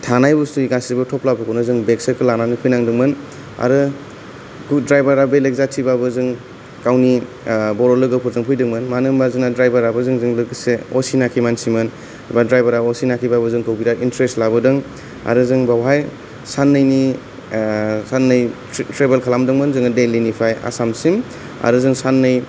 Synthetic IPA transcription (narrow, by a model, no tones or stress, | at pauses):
tʰanajbustuiɡasiibɯtʰɔplabɯkʰɯwnɯzɯŋbeksəkʰɯlananipʰɯjnaŋdɯŋmɯn | a̰ɾɯ | ɡudɾajbaɾabelek̚zatʰibabɯzɯŋ | kawni | bɔɾɔlɯɡɯpʰɯɾzɯŋpʰujdɯŋmɯnmanɯmbazɯŋnadɾajbaɾabɯzɯŋzɯŋlɯɡseosinakʰimansimɯn | badɾajbaɾaɔsinakʰibabɯzɯŋkɯwbiɾaintɾestlabɯdɯŋ | a̰ɾɯzɯŋbawɦaj | sanːɯjni | sanːɯj | tɾebelkʰalamdɯŋmɯnzɯŋadelinipʰaja̰samsim | a̰ɾɯzɯŋsanːɯj